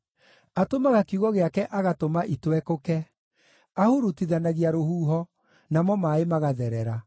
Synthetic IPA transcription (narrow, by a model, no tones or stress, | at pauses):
atomaɣakiuɣɔɣeakɛʔaɣatomaʔitwɛkokɛ | ahuɾutiðanaɣiaɾohuːɦɔ | namɔmaemaɣaðɛɾɛɾa